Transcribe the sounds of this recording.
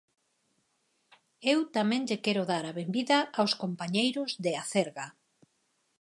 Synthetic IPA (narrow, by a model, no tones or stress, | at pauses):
ewt̪amɛ̃ŋʎekɛɾoðaɾaβembiðaawskompaɲejɾozðeaθeɾɣa